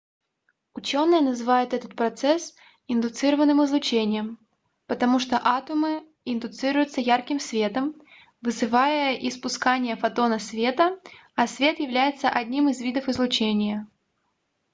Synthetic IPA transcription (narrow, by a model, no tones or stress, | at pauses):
ʊt͡ɕo̞nːɨjənəzɨvajʊt̪ɛt̪ət̪̚pɾɐt̪sɛs | ɪnd̪ʊt̪sɨɾəvənːɨmɨzlˠʊt͡ɕenʲɪjəm | pət̪ɐmuʂt̪oʔat̪ʊmɨ | ɪnd̪ʊt̪sɨɾʊjʊt̪səjarkʲɪmsvʲe̞t̪əm | vɨzɨvajəʔɪspʊskanʲɪjəfɐt̪o̞nəsvʲe̞t̪əɐsvʲe̞t̪jɪvlʲæjɪt̪səʔɐd̪ʲnʲimɨzvʲid̪əfɨzlˠʊt͡ɕenʲɪjə